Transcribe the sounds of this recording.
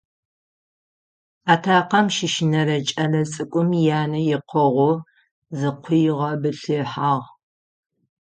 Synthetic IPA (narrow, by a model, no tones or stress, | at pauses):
aːtʰaːqɐmʃɪʃɪnɐɾɐt͡ʃʼɐɮɐt͡sʼɨkʷʼʊmjaːnɐjɪqʷʰɔʁʷʊ | zɨqʷʰʊjʁɐbɨɬɨħaːʁ